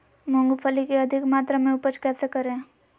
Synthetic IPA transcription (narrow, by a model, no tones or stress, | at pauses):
mʊŋɡupʰəlikeɐd̪ʱɪkmaːt̪ɾamẽʊpət͡ʃkɛːsekɐɾẽː